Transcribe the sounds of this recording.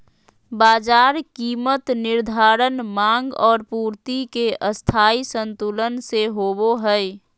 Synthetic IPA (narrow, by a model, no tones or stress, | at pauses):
baːd͡ʒaːɾkiːmət̪nɪɾd̪ʱaːɾənmãŋɡɔːɾpuːɾt̪ikeʔəst̪ʰaːisə̃nt̪ulənseɦoboɦəɛ